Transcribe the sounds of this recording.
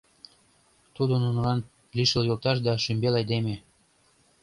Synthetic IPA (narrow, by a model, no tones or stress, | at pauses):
t̪ud̪onunlɑn | liʃəljolt̪ɑʃd̪ɑʃymbelɑjd̪eme